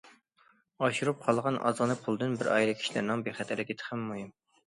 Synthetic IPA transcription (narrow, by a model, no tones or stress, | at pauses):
ɑʃuɾup̚qʰɑlˠʁɑnʔɑ̰zʁənɨpʰulˠd̪ɨnbɪɾɑ̰jɾɨkʲʰi̥ʃilæ̰ɾnɪŋbeχæt̪ʰælɪkʲet̪ʰχæmːujum